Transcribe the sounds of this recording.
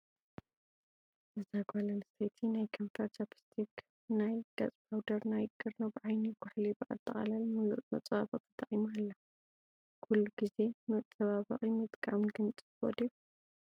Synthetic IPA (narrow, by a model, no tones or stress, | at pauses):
ʔɨzaɡʷalɐlsejt̪ʰinajkʰɐmt̪ʰat͡ʃapʰi̥st̪ʰik | najɡ̥a̰t͡sʼbawd̪ɐɾnajkʼːɨɾnobɨʕajniɡʊħlibɨʕa̰t̪ʼːɐχʼa̰lalmuluʔmɐt͡sʼβaβɐχʼt̪ʰɐt̪ʼːɐχʼimualːɐ | kʰulːuɡize̞mɐt͡sʼɐβaβɐ̰χʼimɨt̪ʼkʼamɡɨnt͡sʼɨo̰d̪i